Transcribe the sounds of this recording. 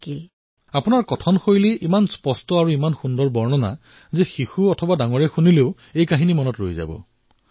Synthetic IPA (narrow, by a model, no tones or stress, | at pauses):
ki | apʊnaɹkɔtʰɔnxojliʔimanspɔstɔaɹuimanxundɔɹbɔɹnɔna̰ | zexixuɔtʰɔbadaŋɔɹɛxunileʊ | ejkaɦinimɔnɔtɹo̰jza̰bɔ̰